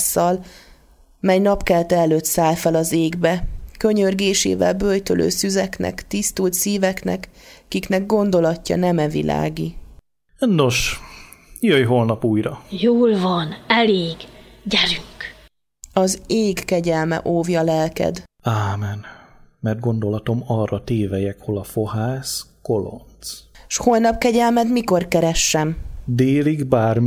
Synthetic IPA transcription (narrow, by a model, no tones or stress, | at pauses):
sːɒl | mɛjnɒpkɛlt̪ɛlːøːt̪saːlfɛlɒzeːɡbɛkø̞ɲørɡeːʃḛːvɛ̰lbøjt̪ølʔø̰ːsyzɛknɛ̰kt̪ist̪uːlt̪siːvɛknɛkkiknɛɡ̚ɡo̞nd̪o̞lɒcːɒ̰nɛmɛvḭlʔa̰ːɡi | no̞ʃ | jøjɦolnɒpuːjɾɒjoːlvɒnɛleːɡɟɛɾyŋk | ɒzeːɡːɛɟɛlmɛ̰ʔoːvjɒlɛlkɛ̰d̪aːmɛnmɛrd̪̚ɡo̞nd̪o̞lɒt̪o̞mɒrːɒt̪eːvɛjɛkho̞lɒfo̞haːskolo̰nt̪sʃho̞lnɒp̚kɛɟɛlmɛd̪miko̞rkɛɾɛʃːɛmd̪eːliɡbaːrm